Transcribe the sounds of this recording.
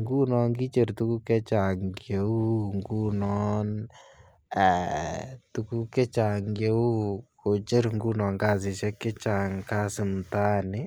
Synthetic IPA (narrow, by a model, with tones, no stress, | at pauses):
ŋɡu˦nɔ˧ŋɡi˦t͡ʃe˨ɾtu˦ku˦kɛ˦t͡ʃa˨ŋɡje˨˦u˦ŋɡu˦nɔ˦n | ɛ˨tu˦ku˦kɛ˦t͡ʃa˨ŋɡe˦u˦ko˨t͡ʃe˦ɾŋɡu˦nɔː˨ŋkaː˦˨s̬ɪ˨ʃɛ˦kːɛ˦t͡ʃa˨ŋka˦sɪ˨m̩taː˦nɪ˦